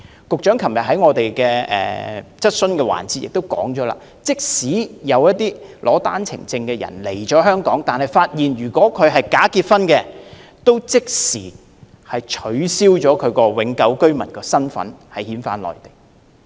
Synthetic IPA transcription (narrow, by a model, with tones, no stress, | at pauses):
kʊ˨k̚t͡ʃœː˨˥ŋkʰɐ˨˩mjɐ˨t̚hɐ˨˥jŋɔː˨˧t̪e˨jkɛː˧ɛ̰ː˨t͡sɐ˥t̚sɵ˥nkɛː˧wa̰ː˨˩nt͡siː˧t̚jɪ̰˨k̚t̪o˥wkɔ̰ː˨˥ŋt͡ʃɔː˨˥la̰ː˧ | t͡sɪ˥k̚siː˨˥jɐ˨˧wjɐ˥t̚t̪iː˥lʔɔː˨˥t̪aː˥nt͡sʰɪ̰˨˩ŋt͡sɪ˧ŋkɛː˧jɐ̰˨˩nle˨˩jt͡ʃɔː˨˥ɦœː˥ŋkɔː˨˥ŋt̪aː˨nhɐ˨jfaː˧t̚jiː˨nɥyː˨˩kʷɔː˨˥kʰɵ˨˧ɥɦɐ˨jkaː˨˥kiː˧t̚fɐ˥nkɛː˧t̪o˥wt͡sɪ˥k̚siː˨˩ | hɐ˨jt͡ʃʰɵ˨˧˥ɥsiː˥wt͡ʃɔː˨˥kʰɵ˨˧kɔː˧wɪ˨˥ŋkɐ˨˥wkɵ˥ɥmɐ̰˨˩nkɔː˧sɐ˥nfɐ̰˨˥nhɐ˨˩jhiː˨˥nfaː˧˥nlɔ̰ː˨˩jt̪e̥˨˩j